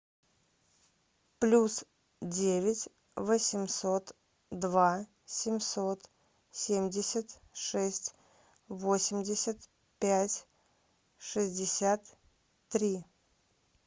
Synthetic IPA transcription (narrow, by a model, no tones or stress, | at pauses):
plʲus | dʲevʲɪtʲ | vəsʲɪmʲso̞t̪ | d̪va | sʲɪmʲsot̪ | sʲemʲdʲɪsʲət̪ | ʂɛsʲtʲ | vo̞sʲɪmʲdʲɪsʲət̪ | pʲætʲ | ʂɨzʲdʲɪsʲat̪ː | ɾʲi